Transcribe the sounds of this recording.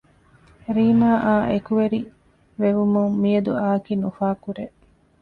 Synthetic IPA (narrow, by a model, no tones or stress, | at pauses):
ɾiːmaːʔaːʔekuʋeɾi | ʋeʋumuŋːijɐd̪ṵaːkinufaːkuɾe